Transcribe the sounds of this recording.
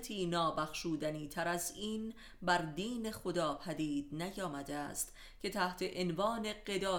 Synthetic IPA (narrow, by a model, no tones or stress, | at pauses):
t̪ʰiːnɒːbæxʃuːd̪æniːt̪ʰæɾæziːn | bæɾd̪iːne̞xod̪ɒːpʰæd̪iːd̪̥̚næjɒːmæd̪eæ̰st̪ | cʰe̞t̪ʰæht̪ʰe̞ʔenvɒːne̞ɢe̞d̪ɒː